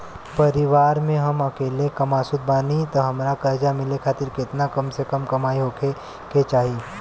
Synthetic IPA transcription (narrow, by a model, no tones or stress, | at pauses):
pɐɾɪʋaːɾmẽɦɐmɐkeːlekɐmaːsʊd̪̚baːnit̪oɦɐmɾakɐɾd͡ʒamɪlekʰaːt̪ɪɾkɪt̪nakɐmsekəmkɐmaːiɦoːkʰe | ket͡ʃaːɦi